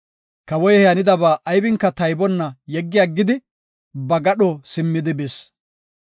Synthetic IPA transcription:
kɐwɔjɛhɛjɐnɪd̪ɐbaːʔɐjbɪŋkːɐt̪ɐjbɔnːɐjɛɡːɪjaːɡːɪd̪ɪ | bɐɡɐɗɔsɪmːɪd̪ɪbɪs

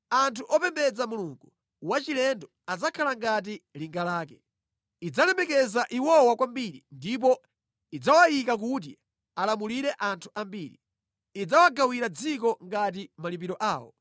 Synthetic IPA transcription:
antʰuʔɔpɛmbɛd͡zamuluŋɡu | wat͡ʃilɛndɔ | ad͡zakʰalaŋɡat̬iliŋɡalaːkɛ | id͡zalɛmɛkɛzaʔiwɔwakwambiɾḭndip̬ɔ | id͡zawajikak̬ut̬ḭ | alamuliɾɛʔantʰu̥ʔambiːɾḭː | d͡zawaɡawiɾad͡zikɔŋɡat̬imalip̬iɾɔʔaːwɔ̰

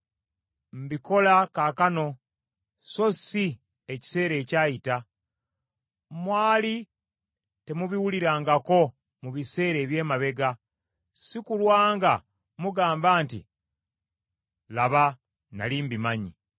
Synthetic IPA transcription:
m̩biko̞lakakano̞ | so̞si | eci̥se̞ːɾe̞ːcaːjita | mwaːli | te̞muβiwuliɾaːŋɡako̞ | muβise̞ːɾe̞ːβje̞ːmaβe̞ɡa | sikulwaːŋɡa | muɡaːmbaːntḭ | laβa | na̰liːmbimaɲi

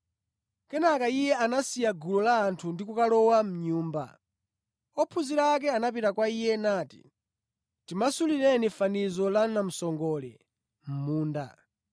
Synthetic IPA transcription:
kɛnakaijɛanasijaɡulɔlaːntʰundikukalɔwam̩ɲuːmba̰ | ɔpʰuziɾakɛanap̬itakwaijɛnaːti̥̰ | timasuliɾɛnifanizɔlanam̩sɔŋɡɔːlɛ̰ | m̩muːnda̰

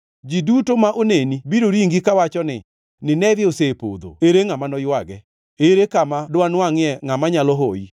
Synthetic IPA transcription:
d͡ʒidutomaʔonenibiɾoɾiŋɡikawat͡ʃɔnɪ̰ | nɪnɛvjosepo̰d̪o̰eɾeŋamanɔjwaɡɛ | eɾekamadwanwaŋɪɛŋamaɲalɔɦoi

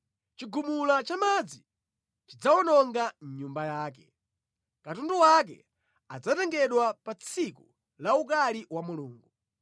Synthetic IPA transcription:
t͡ʃiɡumulat͡ʃamad͡zi | t͡ʃid͡zaɔnɔŋɡaɲumbajaːk̬ɛ | katunduwak̬ɛ̰ | ad͡zatɛŋɡɛɗwapat͡sʰiku | lauk̬aliwamuluːŋɡu

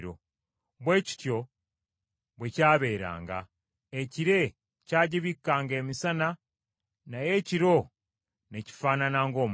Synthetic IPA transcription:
ɾo | βwe̞ːci̥tjo̞ | βwe̞caːβe̞ːɾa̰ːŋɡa̰ | eciɾe̞ | caːɟiβikːaːŋɡe̞ːmisana | naje̞ciɾo̞ | ne̞ci̥faːnanaːŋɡo̞ːm

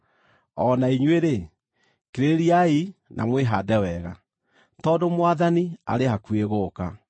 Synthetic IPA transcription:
ɔnaiɲweɾe | keɾeɾiainʔa̰mweɦadɛwɛɣa | tɔːdomwaðania̰ɾehakueɣoːka

